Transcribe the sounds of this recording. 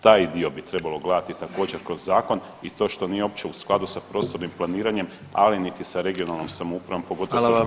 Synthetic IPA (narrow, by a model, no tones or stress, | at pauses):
t̪aːjd̪io̞bit̪ɾe̞balˠo̞ɡlˠad̪at̪it̪ako̞ːd͡ʑe̞ɾkɾo̞zːaːko̞n | it̪o̞ːʃt̪o̞nijeo̞pt͡ɕe̞usklˠad̪usapɾo̞ːst̪o̞ɾnimplˠaniːɾaɲe̞m | a̰linit̪isaɾe̞ɡio̞nalˠnomsamoupɾaʋo̞mpo̞ɡo̞t̪o